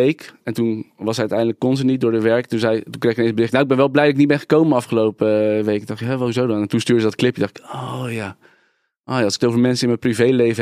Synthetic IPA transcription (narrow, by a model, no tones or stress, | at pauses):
ejkɛntunʋɑsɦɛjœtɛjndələkːɔnzənit̚dʊːɹəʋɛɹktunzɛjtuŋkreχɪkənejnbərɪχtnawɪɡbɛnʋɛlˠblɛjdələknit̚bɛnχə̥kowmənɑfχəlowpəʋejkndɑχtɦɛʋahuzowdɑnɛntunstyːɹdəzədɑtklɪpjədɑχtɪ̥kojaː | ʔoːjaːlˠsɪ̥kətowvəɹmɛnsəɪnməprivejlejvə